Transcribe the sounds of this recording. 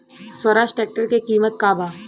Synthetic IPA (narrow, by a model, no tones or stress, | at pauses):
swəɾaːʃʈeːk̚ʈəɾkekiːmət̪kaːbaː